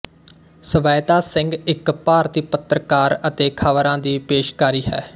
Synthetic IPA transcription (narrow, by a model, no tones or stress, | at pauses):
səʋaːjt̪aːsɪ̃ŋɡɪkpaːɾt̪iːpət̪ɾəkaːɾət̪eːkʰaʋəɾãːd̪iːpeːʃkaːɾiːɦɛ̰ː